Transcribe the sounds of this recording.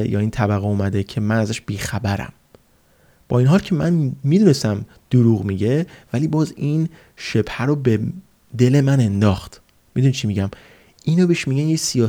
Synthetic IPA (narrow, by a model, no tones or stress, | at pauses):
jɒ̰ːiːnt̪ʰæbæɣeumæd̪e̞cʰe̞mænæzæʃb̥iːxæbæɾæ̰m | b̥ɒ̰ːinɦɒːlcʰe̞mænmid̪unest̪æm | d̪̥oɾuɣmiɟe̞væliːbɒːzin | ʃe̞bhæɾobe | d̪e̞lemæne̞nd̪ɒːxt̪ | mid̪unit͡ʃʰimiɟæm | ʔiːnobeʃmiɟænjesijɒː